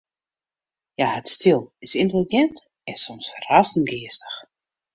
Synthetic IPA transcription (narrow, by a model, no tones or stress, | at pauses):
jahətstɪlˠɪsɪntəliɡɛnt | ɛsɔmsfərastn̩ɡɪːəstə̥x